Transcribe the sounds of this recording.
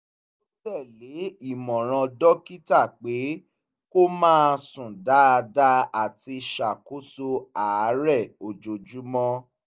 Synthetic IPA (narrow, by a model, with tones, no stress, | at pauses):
o˦tɛ˦˨le˨˦i˦˨mɔ̃˨ɾ̃ã˧dɔ˦ki˦ta˦˨k͡pe˨˦ | ko˦mãː˦˨sũ˨da˦a˧da˦a˨ti˧ʃa˨ko˦so˧a˨˦ɾɛ˦˨o˨d͡ʒo˨d͡ʒu˨˦mɔ̃˦